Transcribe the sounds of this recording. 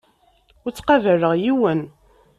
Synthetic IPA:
ʊɾt͡sːqɑvəɾəʁjiwən

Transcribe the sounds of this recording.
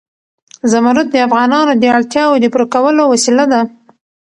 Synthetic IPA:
zamaɾat̪̚d̪əafɣɑnɑnod̪əaɭt̪jɑwod̪əpɾokawəlowasilad̪a

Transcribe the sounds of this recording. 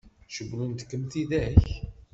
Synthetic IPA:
ʃəɡlunt̪kːəmθiðæç

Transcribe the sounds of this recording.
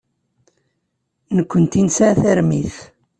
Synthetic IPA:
nəkʷːənt̪insaθæɾmiθ

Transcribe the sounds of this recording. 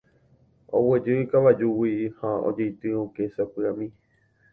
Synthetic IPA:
o̰wed͡ʒɨikaʋad͡ʒuwihão̰d͡ʒejt̪ɨõkesapɨãmĩ

